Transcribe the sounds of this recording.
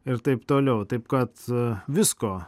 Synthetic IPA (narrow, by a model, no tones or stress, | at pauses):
ɪɾt̪ɐɪpt̪oːlʲɛʊt̪ɐɪpkɐt̪ʋʲɪskoː